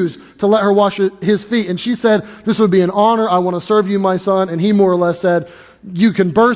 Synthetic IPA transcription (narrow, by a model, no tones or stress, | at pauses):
ʉz | tʰəlɛt̚hə˞wɑʃɪz̥fitɨ̃nʃisɛd̪̚ðɪswəd̚biɨ̃nɑnə˞aɪwɑ̃nəsɜ˞vjɨmaɪsʌ̃nɨ̃nimɔɹə˞lɛsɛd̚ | jɨkɨ̃nbɜ˞